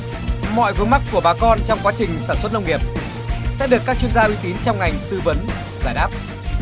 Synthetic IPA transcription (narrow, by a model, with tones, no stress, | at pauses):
mɔ̰˧˨jvɨ˨˦ŋma˦˥k̚kːu˧˩əɓaː˨˩kɔ˧nt͡ɕɔ˧wŋ͡mkwaː˨˦t͡ɕï˨˩ŋ̟saː˧˩nswə˦˥t̚nə˧wŋ͡mŋi˨˩əp̚ | sɛ̰˧˥ɗɨ˨əkːaː˦˥k̚t͡ɕwi˧ənzaː˧ʔwi˨˦t̪i˨˦nt͡ɕɔ˧wŋ͡mŋa˨˩jŋ̟t̪ɨ˧və˨˦n | zaː˧˩jɗaː˦˥p̚